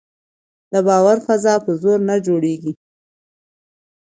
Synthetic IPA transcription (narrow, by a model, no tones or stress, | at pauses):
d̪əbɑwaɾfazɑpəzoɾnad͡ʒoɽeɡi